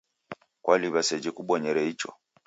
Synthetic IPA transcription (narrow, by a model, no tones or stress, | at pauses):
kwaliβasɛd͡ʒɛkuɓɔɲɛɾɛit͡ʃɔ̰